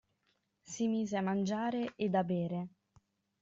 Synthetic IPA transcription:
simiːzeamːand͡ʒaːɾeʔed̪abeːɾe

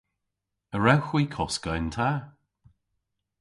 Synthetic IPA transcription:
əɹawxwiːkʰɔskəjnt̪ʰa

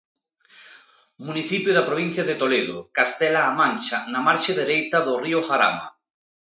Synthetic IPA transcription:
muniθipjʊðapɾoβ̞in̟θjaðet̪oleðʊ̰kast̪ɛlaːmãnʲt͡ʃanamaɾt͡ʃeðeɾejt̪aðʊriʊχaɾa̰ma̰

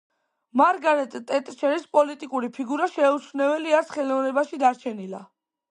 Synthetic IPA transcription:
maɾɡaɾɛt̪ʼt̪ʼɛt̪ʼʃɛɾispʼɔlit̪ʼikʼuɾipʰiɡuɾaʃɛut͡ʃʰvnɛvɛliaɾsχɛlɔvnɛbaʃid̪aɾt͡ʃʰɛnila̰

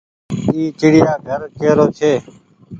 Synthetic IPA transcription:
iːt͡ʃɪɽɪjaːɡʱəɾkeːɾoːt͡ʃʰeː

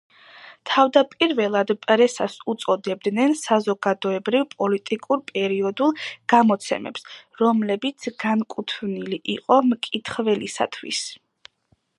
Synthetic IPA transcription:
t̪ʰavd̪apʼiɾvɛlˠad̪pʼɾɛsasut̪sʼɔd̪ɛb̚d̪nɛnsazɔɡad̪ɔɛbɾivpʼɔlit̪ʼikʼuɾpʼɛɾiɔd̪ulˠɡ̥amɔt̪sʰɛ̰mɛ̰psɾɔmlɛbit̪sʰɡankʼut̪ʰvniliʔiqʼɔmkʼit̪ʰχvɛlisa̰t̪ʰwḭs

